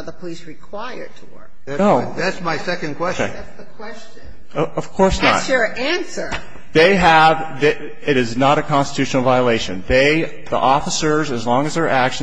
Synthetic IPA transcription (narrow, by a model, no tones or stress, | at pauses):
ðəpʰəlisɹɨkʰw̥aɪə˞d̚tʰəwɜ̰˞k̚ | oʊðætsmaɪsɛkɨ̃nkʰw̥ɛse | sðɨkʰw̥ɛst͡ʃ | ʌʌv̥kʰɔɹsnə̰tʃʊɹæ̃nsə˞ | ðeɪəv | ðɨ | ɪɾɨznəɾɨkʰɑ̃nstə̥tʰʉʃn̩l̩ˠvaɪəleɪʃɨ̃nðeɪ | ðḭʔɔfəsə˞zɨzlɔ̃ŋɨzðə˞ʔækʃ